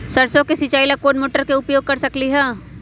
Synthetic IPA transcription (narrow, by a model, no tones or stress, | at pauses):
sɐɾsõkesɪt͡ʃaːilakoːnmoːʈəɾkeʊpjoːɡ̚kɐɾsɐkliɦɛː